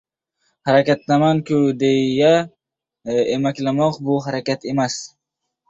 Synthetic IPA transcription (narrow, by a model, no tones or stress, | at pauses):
haɾakʲat̪lamankʰʲʊd̪ejja | emakʲlamɒqbʊɦaɾakʲat̪e̞mas